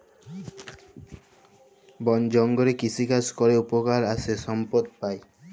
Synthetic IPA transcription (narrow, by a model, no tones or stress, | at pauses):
bɔnd͡ʑɔŋɡoɾekisʰikaskoɾeupokaɾasʰeʃɔmpod̪̚pae